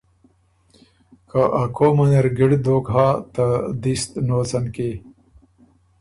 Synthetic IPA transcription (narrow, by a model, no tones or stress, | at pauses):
kaʔakʰomɐneɾɡiɽd̪oːkɦaːt̪ɐd̪ist̪noːt͡sɐnke